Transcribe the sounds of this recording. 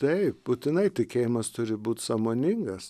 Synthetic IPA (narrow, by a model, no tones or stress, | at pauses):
t̪ɐɪp̚buːt̪ʲɪnɐɪt̪ʲɪkʲeːjɪmɐst̪ʊɾʲɪbuːt̪ʲsɑːmoːnʲɪŋɡɐs